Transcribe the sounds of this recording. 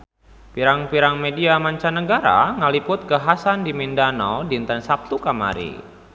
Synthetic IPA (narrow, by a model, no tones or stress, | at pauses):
piɾaŋpiɾaŋmediamaɲt͡ʃanəɡaɾa̰ŋalipʊt̪̚kəɦasandimindanɔ̰ldint̪ansap̚t̪ukama̰ɾḭ